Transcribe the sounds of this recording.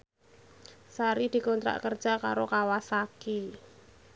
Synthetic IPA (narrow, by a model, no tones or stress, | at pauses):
saɾid̪̥i̤kɔnt̪ɾa̰ʔkərdʒ̥aka̰ɾokawasaki